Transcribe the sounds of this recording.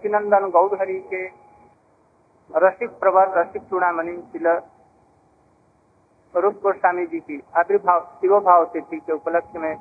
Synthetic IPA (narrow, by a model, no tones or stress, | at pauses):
ət̪inənd̪ənɡəwɽɦəɾike | ɾəsik̚pɾəbəɾːəsik̚tuɽ̃amənit̪ilə | ɾup̚kosaːmid͡ʒik̪iabɾbʱawt̪iɾobʱawt̪et̪ikeupələk̚ʰjəmẽ